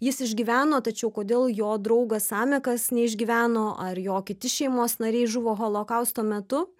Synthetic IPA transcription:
jɪsɪʒʲɡʲiʋʲæːnoːt̪ɐt͡ʃʲɛʊkoːd̪ʲeːlˠjoːd̪ɾɐʊɡɐsɑːmʲɛkɐsnʲɛɪʒʲɡʲiʋʲæːnoːʔɐrjoːkʲɪt̪ʲɪʃʲɛɪmoːsnɐɾʲɛɪʒʊʋoːɣoːlˠoːkɐʊst̪oːmʲɛt̪ʊ

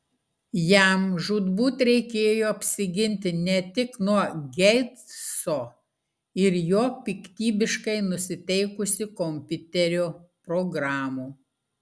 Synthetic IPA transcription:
jæmʒuːd̪buːt̪ɾʲɛɪkʲeːjoːɐpʲsʲɪɡʲɪnʲt̪ʲɪnʲɛt̪ʲɪknuɔɡʲɛɪt̪soː | ɪɾjoːpʲɪkt̪ʲiːbʲɪʃkɐɪnʊsʲɪt̪ʲɛɪkʊsʲɪkomʲpʲʊt̪ʲɛɾʲoːpɾoɡɾɑːmuː

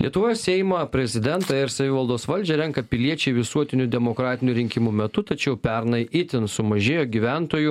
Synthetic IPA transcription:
lʲiɛt̪ʊʋoːjossʲɛɪmɐpʲɾʲɛzʲɪd̪ʲɛnt̪ɐɪɾsɐʋʲiʋɐlˠd̪oːsʋɐlʲd͡ʒʲɛɾʲɛŋkɐpʲɪlʲiɛt͡ʃʲɛɪʋʲɪsuɔt̪ʲɪnʲud̪ʲɛmokɾɑːt̪ʲɪnʲuɾʲɪŋʲkʲɪmuːmʲɛt̪ʊt̪ɐt͡ʃʲɛʊpʲɛɾnɐɪʔɪt̪ʲɪnsʊmɐʒʲeːjoːɡʲiʋʲænt̪oːju

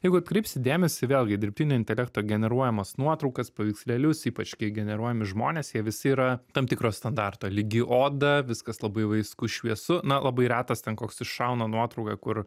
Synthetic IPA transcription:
jɛɪɡʊɐt̪kɾɐɪpʲsʲɪd̪ʲeːmʲɛsʲɪʋʲeːlˠɡʲɪd̪ʲɪɾʲp̚ʲtʲiːnʲoːɪnʲt̪ʲɛlʲɛk̚t̪oːɡʲɛnʲɛɾuɔjɛmɐsnuɔt̪ɾɐʊkɐspɐʋʲiːkslʲɛlʲʊsiːpɐt͡ʃʲkʲɪɡʲɛnʲɛɾuɔjɛmʲɪʒmoːnʲeːsjiɛʋʲɪsɪiːɾɐt̪ɐmt̪ʲɪkɾoːst̪ɐnd̪ɑrt̪oːlʲɪɡʲɪʔoːd̪ɐʋʲɪskɐslˠɐbɐɪʋɐɪskʊʃʲʋʲiɛsʊnɐlˠɐbɐɪɾʲæːt̪ɐst̪ʲɛnkoːksɪʃʃɐʊnɐnuɔt̪ɾɐʊkɐkʊr

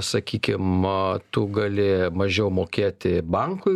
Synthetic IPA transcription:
sɐkʲiːkʲɪmt̪ʊɡɐlʲɪmɐʒʲɛʊmoːkʲeːt̪ʲɪbɐŋkʊɪ

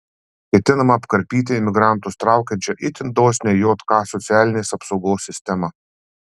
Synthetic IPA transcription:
kʲɛt̪ʲɪnɐmɐːpkɐɾʲpʲiːt̪̬ʲɪɪmʲɪɡɾɑˑnt̪ʊst̪ɾɑˑʊkʲɛnʲt͡ʃʲɛʔɪt̪ʲɪnd̪oːsʲnʲɛjoːt̪kɑːsɔt̪sʲæːlʲɪnʲeːsɐpsɒʊɡoːsʲːɪsʲt̪ʲɛmɐ

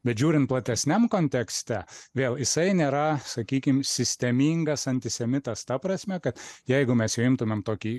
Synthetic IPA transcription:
bʲɛt̪ʒʲuːɾʲɪnt̪̚plˠɐt̪ʲɛsʲnʲɛmkoːnʲt̪ʲɛksʲt̪ʲæʋʲeːlˠjɪsɐɪnʲeːɾɐsɐkʲiːkʲɪmsʲɪsʲt̪ʲɛmʲiːŋɡɐsɐnʲt̪ʲɪsʲɛmʲɪt̪ɐst̪ɐpɾɐsʲmʲɛkɐt̪jɛɪɡʊmʲɛsjɛʊɪmt̪ʊmʲɛmt̪oːkʲiː

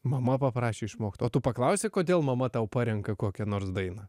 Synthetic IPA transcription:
mɐmɐpɐpɾɑːʃʲeːɪʃmoːkt̪oːt̪ʊpɐklˠɐʊsʲeːkoːd̪ʲeːlˠmɐmɐt̪ɐʊpɑːɾʲɛŋkɐkoːkʲɛnoːɾsd̪ɐɪnɑ

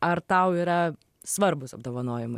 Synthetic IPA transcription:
ɐɾt̪ɐʊiːɾɐ | sʋɐɾbʊsɐb̚d̪oːʋɐnoːjɪmʊ

